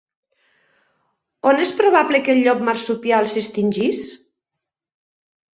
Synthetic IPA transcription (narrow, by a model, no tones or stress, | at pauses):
onespɾoβ̞aβlekelʎːɔk̚maɾsupjalˠsest̪inʲʒis